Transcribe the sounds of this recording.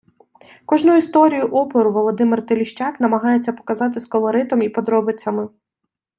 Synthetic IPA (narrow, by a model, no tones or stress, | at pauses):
kɔʒnuist̪ɔɾʲijʊʔɔpɔɾʊʋɔlˠɔd̪ɪmɪrt̪elʲiʃt͡ʃɑknɐmɐɦɑjet͡sʲːɐpɔ̥kɐzɑt̪ɪskɔlˠɔɾɪt̪ɔmipɔd̪ɾɔbɪt͡sʲːɐmɪ